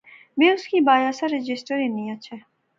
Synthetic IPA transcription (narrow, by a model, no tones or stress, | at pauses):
ʋẽʊskibaːjasaɾɪd͡ʒɪsʈəɾinĩat͡ʃʰɛ